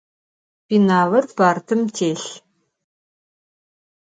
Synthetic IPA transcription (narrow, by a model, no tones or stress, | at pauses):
piːnaːwɐrpaːrtʰɨmtʰeːɬ